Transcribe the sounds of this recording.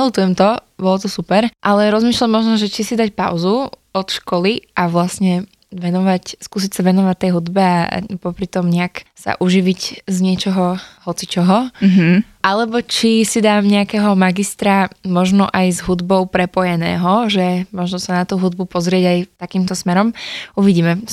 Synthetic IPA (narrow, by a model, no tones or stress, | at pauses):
ɛlut̪ujɛmt̪ɔbɔlɔt̪ɔsupɛɾʔalɛɾɔzmiːʃlamɔʒnɔʒɛt͡ʃisid̪acpa̰ʊzuɔt̪ʃkɔliʔaʋlasɲɛ | ʋɛnɔʋacskuːs̬icsaʋɛnɔʋact̪ːɛjɦud̪bɛa̰pɔpɾit̪ɔmɲɛaksa̰ʔuʒiʋiczɲɪɛt͡ʃɔɦɔhɔt͡sit͡ʃɔɦɔɦʔalɛbɔt͡ʃisid̪aːmɲɛakɛːɦɔmaɡist̪ɾamɔʒnɔʔajzɦud̪bɔʊpɾɛpɔjɛnɛ̰ːɦɔʒɛmɔʒnɔsanat̪uːɦud̪̚bupɔzɾɪɛɟajt̪akiːmt̪ɔsmɛɾɔmuʋiɟiːmɛ